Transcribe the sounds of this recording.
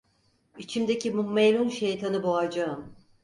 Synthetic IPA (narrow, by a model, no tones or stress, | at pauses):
it͡ʃʰimd̪ecʰimumːelʲunʃejt̪ʰanɯboad͡ʒaɯm